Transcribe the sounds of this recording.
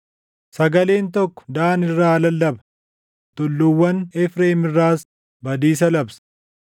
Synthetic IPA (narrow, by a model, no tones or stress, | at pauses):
sɐɡɐle̞ːnt̪ɔkːɔ̥d̪aːnɪrːaːlɐlːɐbɐ | t̪ʼʊlːʊwːɐnɛfɾeːmɪrːaːs | bɐd̪iːsɐlɐbsɐ̥